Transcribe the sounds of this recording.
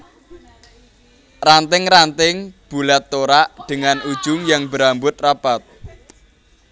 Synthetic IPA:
rant̪ɪŋrant̪ɪŋb̥ulɛt̪ːoɾaʔd̪̥ə̤ŋanud̥ʒ̥ʊŋjaŋbəɾambʊt̪̚rab̥at̪̚

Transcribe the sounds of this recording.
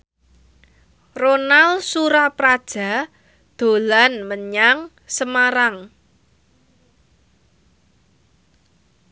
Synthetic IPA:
ronalsuɾapɾad̥ʒ̥a̤ | d̪̥o̤lanməɲaŋ | səmaɾaŋ

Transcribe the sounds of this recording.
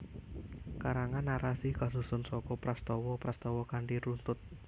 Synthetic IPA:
kaɾaŋanːaɾasihɡ̥a̤susʊnsɔkɔpɾast̪ɔwɔpɾast̪ɔwɔkaɳɖiɾunt̪ʊt̪̚

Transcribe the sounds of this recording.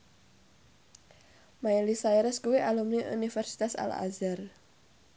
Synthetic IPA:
maɛlisaɛɾɛskuweʔalumniʔunifɛrsi̥t̪asa̰la̰zar

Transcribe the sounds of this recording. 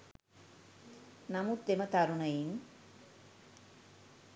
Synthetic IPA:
namut̪ːemət̪aɾunəjiŋ

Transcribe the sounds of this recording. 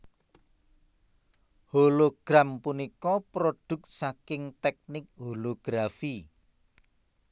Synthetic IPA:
holoɡ̥ɾampunikɔpɾoɖ̪̥ʊ̤k̚t̪̚sakɪŋt̪ɛk̚nɪk̚holoɡ̥ɾafi

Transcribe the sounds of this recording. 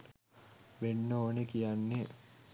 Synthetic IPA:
ʋenːəoːnekijanːe

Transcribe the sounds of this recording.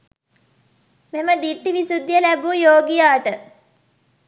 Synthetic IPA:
meməd̪iʈːiʋisud̪jəlæbuːjoːɡijaːʈə

